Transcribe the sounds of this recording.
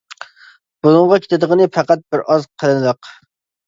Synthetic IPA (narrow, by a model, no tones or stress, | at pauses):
b̥ulˠɨŋʁɑkʲʰe̥t̪ɪd̪əʁənɨfɑqæt̪̚bɪɾɑzqʰəlˠɨnɨd̪ɨq